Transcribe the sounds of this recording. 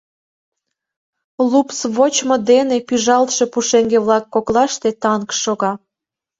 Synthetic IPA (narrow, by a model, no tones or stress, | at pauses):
lupsβot͡ɕmod̪enepyʒɑlt̪ʃe̽puʃeŋɡeβlɑkːoklɑʃt̪et̪ɑnkʃoɣɑ